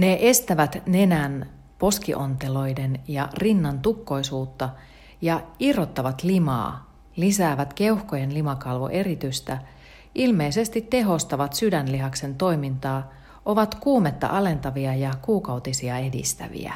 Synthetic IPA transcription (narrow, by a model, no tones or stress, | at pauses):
ne̞ʔest̪æʋæt̪ne̞næn | po̞skḭʔo̞nt̪elo̞jdenjɑrinːɑnt̪ukːo̞jsuːt̪ːɑ | jɑirːot̪ːɑʋɑt̪limɑ̰ː | lisæːʋæt̪ke̞uhkoje̞nlimɑkɑlʋo̰ʔe̞rit̪yst̪æ | ʔilme̞isest̪it̪ːe̞ɦo̞st̪ɑʋɑt̪sydænliɦɑkse̞nt̪o̞jmint̪ɑː | ʔo̞ʋɑt̪kuːmet̪ːɑ̰ʔɑle̞nt̪ɑʋiɑjɑkuːkɑwt̪isiɑedḭst̪æ̰ʋḭæ̰